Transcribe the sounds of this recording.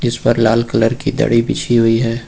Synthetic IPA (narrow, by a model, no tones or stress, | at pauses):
d͡ʒɪspɐɾlaːlkələɾkid̪ɐ̰ɽibit͡ʃʰiɦʊiɦɛː